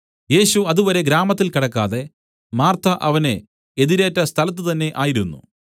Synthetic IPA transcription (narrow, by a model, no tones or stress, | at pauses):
je̞ːɕuɐðuʋɐɾe̞ɡɾaːmɐt̪̬ːilkiɽɐkːaːðe̞ | maːrt̪ʰɐʔɐʋɐne̞ | eðiɾe̞ːtːɐst̪ʰɐlɐt̪̬ːɨt̪ɐnːe̞ʔaːjiɾunːṵ